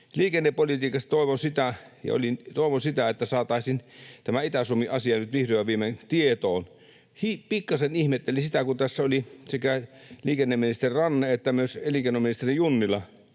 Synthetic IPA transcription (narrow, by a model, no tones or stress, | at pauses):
liːkenːeppolit̪iːkɑst̪t̪oˑiʋosit̪æjɑ̰o̰lint̪oˑeʋosit̪æet̪ːæsɑːt̪ɑˑesint̪æmæit̪æsumːiʔɑsiɑnyt̪ʋihroʋɑʋiːment̪iet̪oːn | hipikːɑsenihmet̪ːelisit̪ækunt̪æsːæolisekæliːkenːemːinist̪erirɑnːeet̪ːæmyøseliːkenːominist̪erijjunːilːˑɑ